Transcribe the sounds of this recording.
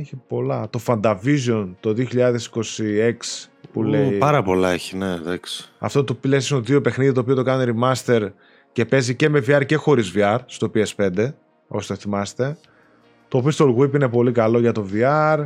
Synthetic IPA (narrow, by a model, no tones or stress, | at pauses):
eçipo̞lɐt̪o̞fɐnd̪ɐvizo̞nt̪o̞ðioçiʎɐðe̞si̥ko̞sie̞kspuleipɐɾɐpo̞lɐeçineðɐksi̥ɐ̰ft̪ot̪opilessinoðio̞pe̞xniðit̪oːpiot̪o̞kɐneɾimɐst̪e̞ɾ | ce̞pe̞zice̞me̞viɐɾce̞xo̞ɾizviɐɾst̪o̞piespe̞nd̪e̞ | oost̪oθimɐst̪e̞ | t̪o̞ːpio̞st̪olɣwipine̞po̞likɐlo̞ʝɐt̪o̞viɐɾ